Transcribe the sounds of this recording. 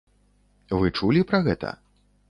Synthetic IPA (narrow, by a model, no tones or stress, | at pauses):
vɨt͡ʂulʲipɾɐɣɛt̪ɐ̰